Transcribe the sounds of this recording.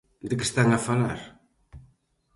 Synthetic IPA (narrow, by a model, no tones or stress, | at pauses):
d̪ɨkɪ̥st̪aŋafalaɾ